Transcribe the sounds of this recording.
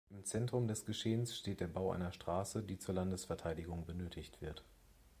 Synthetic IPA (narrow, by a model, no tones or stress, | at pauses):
ʔɪmt͡sɛntʁ̥ʊmdɛsɡ̥əʃeːənsʃteːt̚d̥eːɐbaʊʔa̰ɪnɐʃtʁ̥aːsədiːt͡suːɐlandəsfɛɐtʰaɪdɪɡʊŋbənøːtʰɪçtv̥ɪɐt